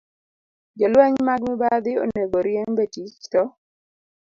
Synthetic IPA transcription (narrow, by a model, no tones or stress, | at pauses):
d͡ʒɔlwɛɲmaɡmɛbad̪ɪo̰neɡoɾjɛŋbetit͡ʃtɔ